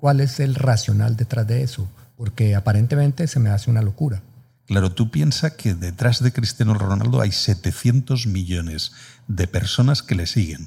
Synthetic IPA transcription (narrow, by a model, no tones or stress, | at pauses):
kwale̞se̞lrasjo̞na̰ld̪e̞t̪ɾazd̪e̞esopo̞ɾke̞apaɾe̞nt̪e̞mẽ̞nt̪e̞se̞me̞aseunalo̞kuɾa | klaɾo̞t̪upje̞nsakʰeðe̞t̪ɾazðekɾist̪janolrona̰ld̪o̞ʔa̰jse̞t̪e̞θjent̪o̞zmiʎone̞zðe̞pe̞ɾso̞naske̞le̞siɣe̞̰n